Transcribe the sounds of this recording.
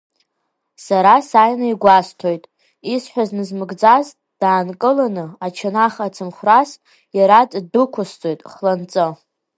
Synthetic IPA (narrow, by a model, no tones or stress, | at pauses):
saɾasajnaiɡʷastʰo̞jtʼ | isħʷᶣaznɨzmɨɡd͡zaz | d̥aːnkʼɨlanɨat͡ʃʰanaχat͡sʰɨmχʷras | jaɾatʼdukʷʰʊst͡sʼojtʼχlant͡sʼɨ